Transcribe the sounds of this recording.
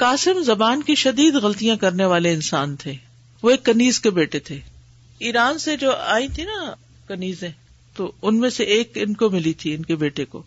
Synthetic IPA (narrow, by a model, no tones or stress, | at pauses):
kaːsɪmzɐbaːnkiʃɐd̪iːd̪ɣɐlt̪ijãkɐɾneʋaːleɪnsaːnt̪ʰeː | ʋoeːkːɐniːzkebeːʈet̪ʰeː | iːɾaːnsed͡ʒoːaːĩt̪ʰinɐ | kɐniːzẽ | t̪oʊnmẽseʔeːkɪnkomɪlit̪ʰiɪnkebeːʈeko̰ː